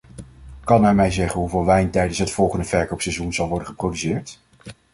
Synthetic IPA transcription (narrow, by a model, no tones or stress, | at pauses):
kɑnɛɹmɛjzɛχənɦuvɪːlˠʋɛjntɛjdənsɦətfɔlˠχəndəv̥ɛɹkowpsɛjzunzɑlˠʋɔɹdəχəprowdysɪːɹt